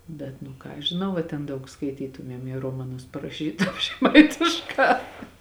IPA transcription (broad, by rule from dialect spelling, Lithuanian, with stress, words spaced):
ˈbʲɛt nʊ ˈkɑː ɐʃ ʒʲɪˈnɐʊ ɐ tʲɛn ˈdɐʊk skɐɪˈtʲiːtʊmʲiɛm jeː ˈroːmɐˌnʊs pɐrɐˈʃʲiːtʊm ʒʲɛˈmɐɪtʲɪʃˌkɑː